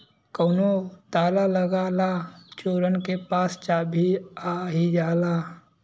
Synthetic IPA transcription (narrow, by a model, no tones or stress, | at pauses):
kəʊnot̪aːlaləɡalat͡ʃoːɾənkepaːst͡ʃaːbʱiaɦid͡ʒaːlaː